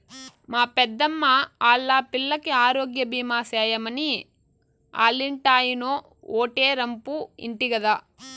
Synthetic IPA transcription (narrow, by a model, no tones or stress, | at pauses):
maːpɛd̪ːɐmːaaːlːaːpilːɐkeaːɾoːɡjɐbiːmaːseːjɐmɐni | a̰ːlːiɳʈaːjinoː | oːʈeːɾɐmpuḭɳʈiɡɐd̪aː